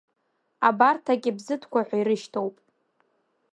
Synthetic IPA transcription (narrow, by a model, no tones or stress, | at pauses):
abartʰakʲʼɪbzɨtʰkʷaħʷaiɾɨʃtʰowpʼ